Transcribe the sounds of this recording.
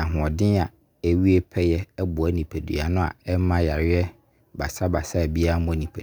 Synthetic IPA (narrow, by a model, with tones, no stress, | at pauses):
ã˨ɦʊ̃˨ɔ̃˨dɪ̃˦a˨ | ɛ˨wi˦e˦pʰɛ˦jɛ˦ɛ˦bʊ˨ɛ˦nĩ˨pʰæ˨dṵ˨a̰˨nʊ̃˦a̰˨ɛ˦mã˦ja˨ɾɪ˦ɛ˦ | ba˨sa˦ba˨sa˦˨bi˦a˦mʊ̃˦˨nĩ˨pʰe˨˦